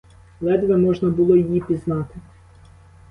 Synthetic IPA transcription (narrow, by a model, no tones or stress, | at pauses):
lˠɛd̪ʋɛmɔʒnɐbʊlˠɔjijipʲiznɑt̪ɪ